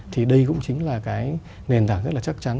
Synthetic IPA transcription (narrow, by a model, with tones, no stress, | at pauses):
t̪ʰi˨˩ɗə˧jkʊ̰˧˥ŋ͡mt͡ɕï˨˦ŋ̟laː˨˩kaː˨˦j | ne˨˩nt̪aː˧˩ŋzə˦˥t̚laː˨˩t͡ɕa˦˥k̚t͡ɕa˨˦n